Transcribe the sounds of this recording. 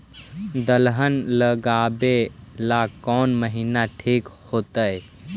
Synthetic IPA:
d̪əlɦənləɡabelakɔːnməɦinaʈʰiːkhoːt̪əj

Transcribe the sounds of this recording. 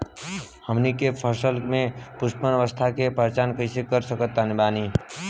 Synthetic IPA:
həmnikepʰəɾsəlmẽpʊspənʋəst̪ʰakepɾət͡ʃaːnkəɪsekəɾsəkət̪ːanɪbaːni

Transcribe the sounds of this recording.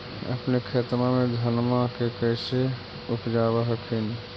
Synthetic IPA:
ə̰pnekʰet̪mamed̪ʱənmakekəjse | upd͡ʒabaɦəkʰini

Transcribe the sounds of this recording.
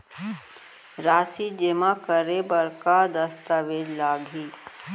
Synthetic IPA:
ɾaːsid͡ʒemakəɾebəɾkad̪əst̪aʋeːd͡ʒlaːɡʱiː

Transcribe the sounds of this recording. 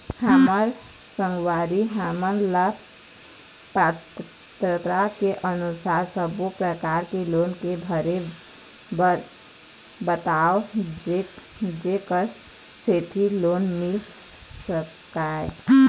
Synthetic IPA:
həməɾ | sə̃ŋɡwaɾiɦamənlə | pat | t̪ɾət̪ɾakeʔənusaɾsəbupɾəkaɾkelonkebʱəɾe | b | bət̪aod͡ʒe | d͡ʒekəɾ | seʈ̪ʰilonmil | sək | ae

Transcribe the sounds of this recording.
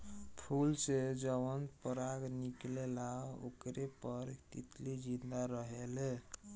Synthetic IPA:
pʰulsed͡ʒəbənpəɾaɡniklelao̰kɾepəɾt̪it̪lid͡ʒind̪aɾəɦele

